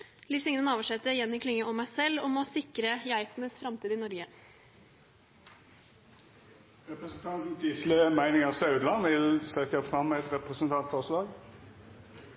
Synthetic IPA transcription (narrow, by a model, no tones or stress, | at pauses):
lisɪŋnənɑːʋəʂɛt̪ːəɾjɛnːɪkʰlɪŋːəʔɔmæɪsɛlːɔmɔsɪkɾəjæɪt̪nəsfɾɑmt̪ʰiːd̪əɪnɔɾɡə | ʁɛpʁəsn̩t̪ʰɑnt̪n̩t̪iːslɪəmæɪnɪŋəʁsɑʉd̪lɑnʋɪlsɛt̪jæfʁɑmːɛɛt̪ʁɛpʁəsənt̪ʰɑnt̪fɔʁslɑːɡ